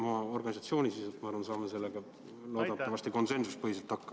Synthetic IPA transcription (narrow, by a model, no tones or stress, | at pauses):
mɑɑo̞rɡ̥ɑnʲisɑt̪sio̞ːnʲisiset̪mɑɑɾrvɑnsɑːmese̞lːeɡ̥ɑ | lo̞ːd̪ɑt̪ːɑvɑst̪iko̞nse̞nsus̚pɤɦiselt̪ɑkːɑ